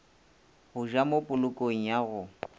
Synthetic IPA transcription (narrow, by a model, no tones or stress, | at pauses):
ɣʊʒamopʼʊlʊkʼoŋ̩jaɣʊ